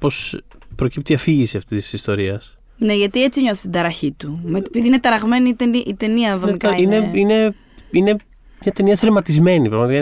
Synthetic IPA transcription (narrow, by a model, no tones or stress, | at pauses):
po̞s | pɾo̞cip̚t̪iɐfiʝisiɐft̪isi̥sist̪o̞ɾiɐs | neʝɐt̪ie̞t͡siɲo̞si̥t̪id̪ɐɾɐçit̪umepiðiinet̪ɐɾɐɣme̞nit̪eniʔit̪eniɐðomikiineine̞ | ine̞ | mɲɐt̪e̞niɐsɾemɐt̪izme̞nipɾɐɣmɐt̪ik